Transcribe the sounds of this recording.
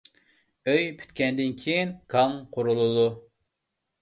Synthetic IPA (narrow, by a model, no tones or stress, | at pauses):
øjpʰy̥t̪kʲɛnd̪ɪnkʲʰijinkʰɑŋqʰoɾulˠulˠu